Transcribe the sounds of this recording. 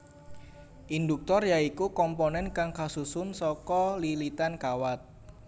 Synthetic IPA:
ʔind̪uk̚t̪ɔrjaikukɔmponɛnkaŋkasusʊnsɔkɔlilit̪ankawat̪̚

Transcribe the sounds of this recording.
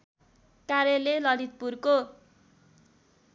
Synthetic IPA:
kaɾjelelʌlit̪̚purko

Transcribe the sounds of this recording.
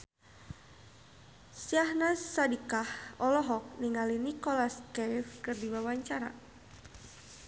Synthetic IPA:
siahnasːadikahɔlɔɦɔk̚niŋalinikɔlaskɛjfkɨrdiwawaɲt͡ʃaɾa̰

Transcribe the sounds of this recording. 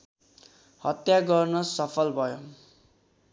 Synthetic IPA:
hʌt̪jaɡʌrnʌsʌpʰʌlbʱʌjo

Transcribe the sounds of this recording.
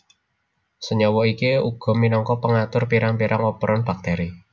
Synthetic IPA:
səɲɔwɔikiuɡ̥ɔ̤minɔŋkɔpəŋat̪ʊrpiɾaŋpiɾʔaŋɔpɾʔɔnb̥ak̚t̪eɾi

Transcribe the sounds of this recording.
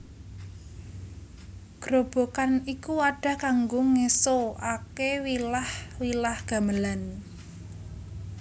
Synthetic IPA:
ɡ̥ɾob̥o̤kanikuaɖ̥a̤kaŋɡoŋesoakewilahwilahɡ̥a̤məlan

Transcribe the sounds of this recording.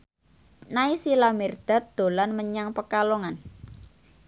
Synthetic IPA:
naisilamɛrd̪̥a̤t̪̚d̪̥o̤lanməɲaŋpəkaloŋan

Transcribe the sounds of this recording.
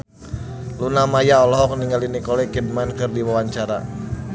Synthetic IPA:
lunamajaɔlɔɦɔk̚niŋɡalinikɔlɛkid̚mankɨrdiwawaɲt͡ʃaɾa̰

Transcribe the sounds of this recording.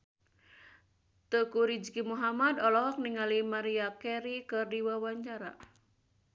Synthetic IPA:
t̪əkuɾid͡ʒkimuɦamad̪ɔlɔɦɔk̚niŋalimaɾiakɛɾikɨrdiwawaɲt͡ʃaɾa̰

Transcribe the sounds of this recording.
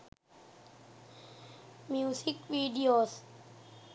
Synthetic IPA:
mjuːsikʋiːɖioːs

